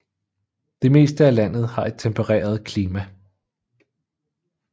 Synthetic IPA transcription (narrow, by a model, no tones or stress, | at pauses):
d̥e̝me̝̰ːsd̥əælæn̰ð̞̩ˠhɑ̈e̝d̥̚t͡sʰempʰəʁɛ̰ːɐð̞ˠkʰliːmæ